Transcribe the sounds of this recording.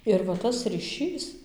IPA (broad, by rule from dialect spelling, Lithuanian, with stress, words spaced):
ɪr ʋɐ ˈtɐs rʲiːˈʃʲiːs